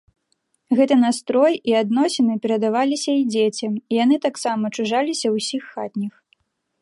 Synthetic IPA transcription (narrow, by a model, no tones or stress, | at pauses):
ɣɛt̪ɨnast̪ɾɔjiad̪n̪ɔsʲɛnɨpʲɛɾɐd̪avalʲisʲɐid͡zʲet͡sʲɐmijanɨt̪aksamɐt͡ʂuʐalʲisʲɐwsʲixːat̪ʲnʲix